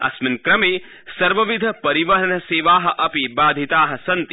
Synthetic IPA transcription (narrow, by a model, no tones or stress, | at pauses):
ɐ̰sminkɾɐmeː | sɐɾʋɐʋid̪ʱɐpɐɾiʋɐɾɐnɐseːʋaːɦɐ̆ʔɐpibaːd̪ʱit̪aːɦɐ̆sɐnt̪i